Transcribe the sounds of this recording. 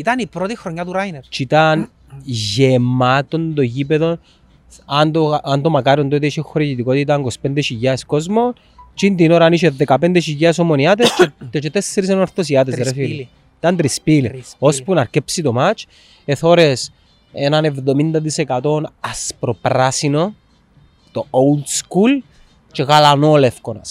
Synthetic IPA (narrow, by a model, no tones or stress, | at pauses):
it̪ɐnipɾot̪ixɾoɲːat̪uɾajnt͡ʃit̪an | ʝemat̪ond̪ocipeðo̞n | and̪oand̪omɐkaɾiond̪ot̪ɐiʃexoɾicit̪ikot̪it̪aŋɡospend̪eʃiʝaskozmo | t͡ʃind̪inoɾaniʃeðekɐpend̪eʃ̬iʝɐs̬omoniat̪est̪et͡ʃet̪esːeɾis̬enoɾθos̬iat̪essɾeθi | it̪ɐnt̪ɾispilospunɐɾcepsit̪omat͡ʃ | eθoɾes | enɐnevðo̞mind̪ɐðisekat̪o̞nɐspɾopɾasino | t̪oʔould̪skul | t͡ʃeɣalanoːlefkonɐ̰s